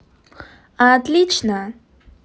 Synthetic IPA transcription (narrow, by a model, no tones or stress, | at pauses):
at̪lit͡ʃʰna